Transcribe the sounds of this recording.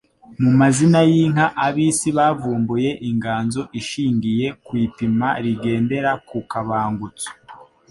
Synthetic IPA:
mumazinajiŋ̥haʔaβiːsiβaːvuːmbuje̞ʔiŋɡaːnzo̞ʔiʃiːŋɡije̞kwiːpimaɾiɡe̞ːnde̞ɾakukaβaːŋɡut͡so̥

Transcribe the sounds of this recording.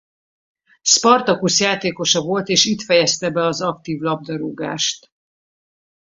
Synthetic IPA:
spɒrt̪ɒkusjaːt̪eːko̞ʃɒvo̞lt̪eːʃiːt̪fɛjɛst̪ɛbɛɒzɒkt̪iːvlɒb̚d̪ɒɾuɡa̰ːʃt̪

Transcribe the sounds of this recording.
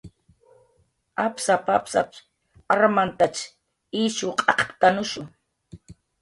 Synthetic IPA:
apsapapsa̰p | aɾamant̪at͡ʃ | iʃʊqʼɑqt̪anʊʃʊŋ

